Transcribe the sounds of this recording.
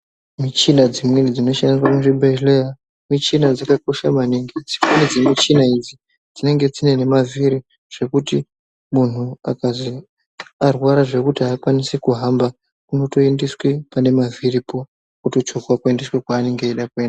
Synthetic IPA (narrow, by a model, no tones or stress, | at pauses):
mit͡ʃinad͡zimwenid͡zino̞ʃanrwakunʐibʱeleja | mit͡ʃinad͡zakako̞ʃamaniŋɡid͡zimwenid͡zemit͡ʃinaid͡zi | d͡zine̞ŋɡe̞d͡zine̞ne̞maviɾi | ʐ̥e̞kuti | mun̤ua̰kazi | arwaɾaʐe̞kutiaːkwanisikuɦamba | kuno̞to̞endiswipane̞mavʱiripo̞ | kuto̞t͡ʃokwakuendiswekwaːne̞ŋɡeeɗakue̞ːnda